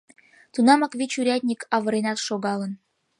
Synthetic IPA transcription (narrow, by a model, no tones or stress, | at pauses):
t̪unɑmɑkβʲit͡ɕuɾʲæt̪ʲnʲikʰɑβɤ̆ɾenɑt̪ʃoɣɑlən